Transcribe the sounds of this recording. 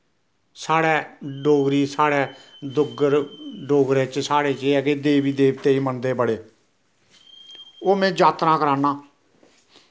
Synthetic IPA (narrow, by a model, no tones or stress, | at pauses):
saːɽɛːɖoːɡɾiːsaːɽɛːd̪ʊɡəɾɖoːɡɾẽːt͡ʃsaːɽeːt͡ʃeːɛkeːd̪eːʋiːd̪eːʋt̪eːiːmənd̪eːpəɽeː | oːmɛ̃ːd͡ʒaːt̪nãːkəɾaːnãː